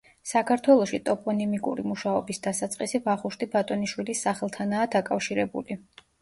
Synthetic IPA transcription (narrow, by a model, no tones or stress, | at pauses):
sakʰaɾt̪ʰwɛlˠɔʃit̪ʼɔpʼɔnimikʼṵɾimuʃaɔbisd̪asat̪sʼqʼisibaχuʃt̪ʰʼibat̪ʼɔniʃwilisːaχɛlˠt̪ʰanaːd̪akʼafʃiɾɛbṵli